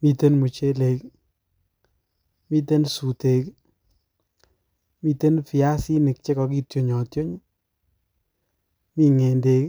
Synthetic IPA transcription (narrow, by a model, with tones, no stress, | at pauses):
mi˦˨te˦nmu˨t͡ʃe˦le˨k | mi˦te˦nsu˨te˨k | mi˨te˦npi˨a˦si˦nɪ˨k̚t͡ʃe˦kɔ˨ki˦tjo˨ɲɔ˨tjo˦ɲ˦ | mi˦ŋe˨nde˨k